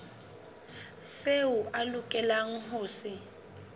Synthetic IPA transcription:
seʊʔalʊkʼɛlaŋ̩ɦʊːsɪ

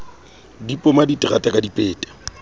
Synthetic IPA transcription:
dipʼʊmaditʼɪɣatʼakʼadipʼeːtʼḁ

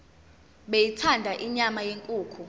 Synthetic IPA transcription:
ɓejitʰandʱaʔiɲamajeŋkʼuːkʰu

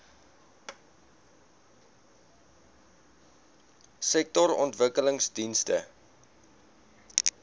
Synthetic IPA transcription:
sɛk̚tɔɾɔ̰ntvəkələŋsdinstə̰

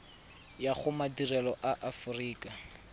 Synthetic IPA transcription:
jaχʊmadirɛlɔʔaʔafʊriːkʼa

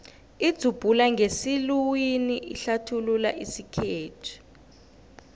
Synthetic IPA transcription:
id̥z̥ʱub̥ʱulaŋɡʱesilwiniʔiɬatʰululaʔisikʰeːtʰi̥

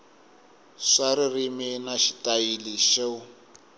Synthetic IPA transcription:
ʂaririminaʃi̥tʼailiʃeʊ

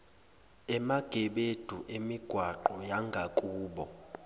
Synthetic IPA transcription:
ɛmaɡ̥ʱɛɓed̥ʱuʔemiɡ̥ʱwaǃɔjaŋɡʱakʼuːɓɔ

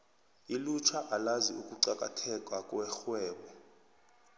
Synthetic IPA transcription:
ilut͡ʃʰaʔalaziukʼuǀakʼa̰tʰɛkʼwakʼwɛxwɛːɓɔ

